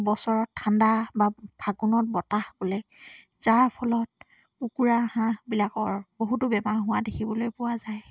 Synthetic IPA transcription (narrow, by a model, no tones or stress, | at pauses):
bɔsɔɹɔtʰːandababʱaɡunɔt̚bɔtahbolɛ | z̥aɹpʰɔlɔt̚ | ukuɹahãbilakɔɹboɦutʊbɛbaɹɦʊwadekʰibɔlojpʊwazaj